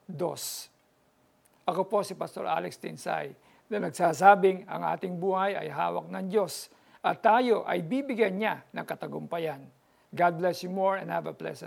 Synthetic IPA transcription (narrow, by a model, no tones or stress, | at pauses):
d̪o̞̰s | ʔɐko̞po̞sɪpɐst̪o̞ɹʔa̰ːlɛkst̪ɪnsa̰j | nɐnɐɡsaːsaːbɪŋɐ̰ŋʔa̰ːt̪ɪŋbuːhɐjɐ̰jɦa̰ːwɐ̰k̚nɐŋd͡ʒo̞s | ʔɐt̪ːaːjo̞ʔɐ̰jbiːbɪɡjanɲanɐŋkɐt̪ɐɡʊmpɐjan | ɡad̪̚blɛsjumoɹɛ̰̃nd̪havɐplɛ̰sɛ